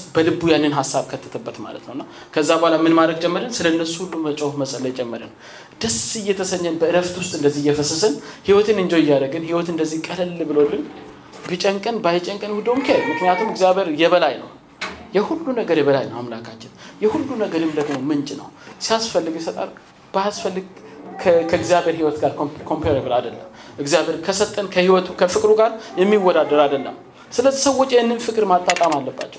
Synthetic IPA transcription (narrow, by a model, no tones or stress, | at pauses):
bəlɨbːujanːɨnɦasːaβkʰət̪ʰːə̥t̪ʰəbːət̪ma̰lə̰t̪nəwɨnːa | kʰəzːabəhalamɨnmad̪ɾəɡ̚t͡ʃʼɛmːəɾənsɨləɨnːəsu̥hulːumət͡ʃʼəwhməsʼəlːəjt͡ʃʼɛmːəɾənː | d̪̥əsijɛt̪ʰəsəɲːənbəɨɾəft̪wʊst̪ʼɨnd̪əzːihjɛfəsːəsɨnhiwɔt̪ʰɨnɨnd͡ʒoɪjːaɾəɡɨnhiwɔt̪ɨnd̪əzːikʼələlːbɨlolːɨn | bɨt͡ʃʼəŋkʼɨnbajt͡ʃʼəŋkʼənhud̪omkʰelmɨknijat̪ʰumɨɡzjaβeɾjɛβəlajnə̰w | jɛhulːunəɡəɾjɛβəla̰jnəwa̰mlakʰat͡ʃːɪnjɛhulːunəɡəɾɨmd̪əɡnomɨnt͡ʃʼɪnə̰wsijasfəlːɨɡjɛsət̪ʼa̰ɾ | b̥əasfəlːɨɡʰ | kʰəɨɡzijaβeɾhiwɔt̪ɡaɾkʰo̞mpeɾebɨlad̪əlːəm | ɨɡzijaβe̞ɾkʰəsət̪ʼːənkʰəhiwɔt̪ʰukʰəfɨkʼɾuɡaɾjɛmːiwːɔd̪ad̪əɾad̪əlːə̰m | sɨləzːisəwɔt͡ʃʼjɛɨnːɨnfɨkʼɨɾmat̪ʼːat̪ʼamalːəbːa̰t͡ʃːɛw